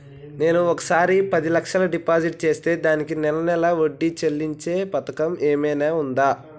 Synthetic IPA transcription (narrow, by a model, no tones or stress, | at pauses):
ne̞ːnuɔkɐ̥saːɾipɐd̪ilɐkʂɐlɐɖipaːd͡ʒiʈ̚t͡ʃe̞ːst̪e̞ːd̪aːnikinɛlɐnɛlɐoɖːit͡ʃelːiɲt͡ʃe̞ːpɐt̪ɐkɐmeːmɐjnaːund̪aː